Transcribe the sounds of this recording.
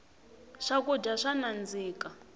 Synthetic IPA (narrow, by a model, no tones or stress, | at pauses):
ʂakud͡ʒaʂanand͡ziːka